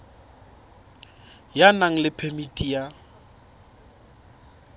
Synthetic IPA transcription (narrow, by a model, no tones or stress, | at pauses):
janaŋ̩lɪpʰemitʼija